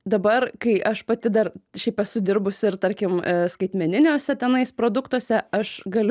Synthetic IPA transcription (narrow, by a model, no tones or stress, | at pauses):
d̪ɐbɐrkɐɪʔɐʃpɐt̪ʲɪd̪ɐrʃʲɛɪpɛsʊd̪ʲɪɾbʊsʲɪɾt̪ɐɾʲkʲɪmskɐɪt̪ʲmʲɛnʲɪnʲoːsʲɛt̪ʲɛnɐɪspɾoːd̪ʊkt̪uɔsʲɛɐʃɡɐlʲ